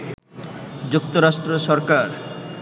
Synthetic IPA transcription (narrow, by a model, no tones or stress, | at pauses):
d͡ʑuk̚t̪oɾaʃʈɾoʃɔɾkaɾ